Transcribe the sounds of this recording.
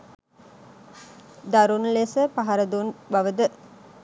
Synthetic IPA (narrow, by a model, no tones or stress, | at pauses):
d̪aɾunlesəpaɦaɾəd̪unbaʋəd̪ə